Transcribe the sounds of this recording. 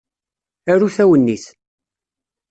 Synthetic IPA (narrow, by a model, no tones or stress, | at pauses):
æɾuθæwənːiθ